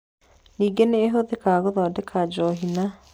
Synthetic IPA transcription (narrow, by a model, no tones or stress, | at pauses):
niːɡeneːɦoðekaːɣoðɔdekʰad͡ʒɔːɦina